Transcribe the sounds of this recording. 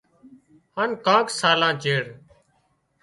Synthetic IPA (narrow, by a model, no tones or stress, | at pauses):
hankãːksaːlãːt͡ʃeːɽ